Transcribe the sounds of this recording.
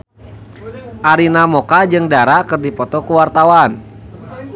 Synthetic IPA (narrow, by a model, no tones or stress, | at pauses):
ʔaɾinamɔkad͡ʒɨŋdaɾakɨrdipɔt̪ɔkuwart̪awan